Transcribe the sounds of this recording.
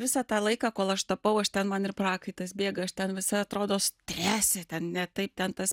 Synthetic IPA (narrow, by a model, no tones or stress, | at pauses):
ʋʲɪsɑːt̪ɑːlˠɐɪkɑːkoːlˠɐʃt̪ɐpɐʊɐʃt̪ʲɛnmɐnɪrpɾɑːkɐɪt̪ɐsbʲeːɡɐɐʃt̪ʲɛnʋʲɪsɐɐt̪ɾoːd̪oːst̪ʲɾʲæːsʲet̪ʲɛnnʲɛt̪ɐɪp̚t̪ʲɛnt̪ɐs